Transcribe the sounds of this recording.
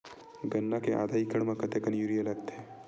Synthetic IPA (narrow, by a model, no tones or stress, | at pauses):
ɡənːakeʔa̰d̪ʱaikəɳmãkət̪ekənjuɾijəlaɡt̪ʰe